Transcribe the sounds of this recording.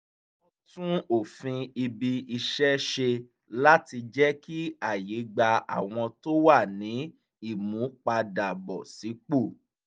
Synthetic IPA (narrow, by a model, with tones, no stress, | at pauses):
ɔ˦tũ˦o˦˨fĩ˧i˧bi˧i˧ʃɛ˦ʃe˧ | la˦ti˧d͡ʒɛ˦ki˦a˦˨je˨˦ɡ͡ba˧a̰˦˨w̃ɔ̃˧to˦wa˦˨nĩ˨˦ | i˦˨mũ˨˦k͡pa˧da˨bɔ˨si˨˦k͡po˦˨